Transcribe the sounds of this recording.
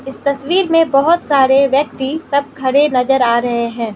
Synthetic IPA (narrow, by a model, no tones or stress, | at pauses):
ɪst̪ɐswiːɾmẽbɐɦʊt̪saːɾeʋjɐk̚t̪isɐb̚kʰɐɾenɐzəɾaːɾɐɦeɦɛ̃ː